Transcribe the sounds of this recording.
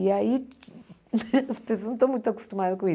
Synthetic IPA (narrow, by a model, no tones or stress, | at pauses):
iɐi | spẽs̬onɐ̃t̪omũj̃t̪ɐku̥ʃt̪umaðukõi